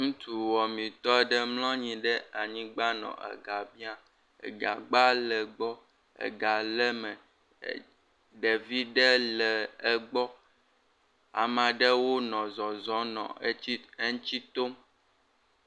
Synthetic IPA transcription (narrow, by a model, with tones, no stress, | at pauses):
ŋũ˦t̪ʰu˨wɔ˨mĩ˨t̪ɔ˦ɛ˦ɖɛ˦mlɔ̃˦ɲĩ˨ɖɛ˦a˨ɲĩ˦ɡ͡ba˦nɔ̰̃˨ʔɛ̰˨ɡa˨bi˦a˦ | ḛ˨ɡa˨ɡ͡ba˦lɛ˨ɡ͡bɔ˦ | ɛ̰˨ɡa˨lɛ˦mɛ˨ | ɖe˨vi˦ɖɛ˦lɛ˨ɛ˨ɡ͡bɔ˦ | a̰˨mã˨ɖɛ˦wo˦nɔ̃˨zɔ˨zɔ˦nɔ̰̃˨˦i˦e˦ŋ̩˦t͡ɕi˦t̪o˦m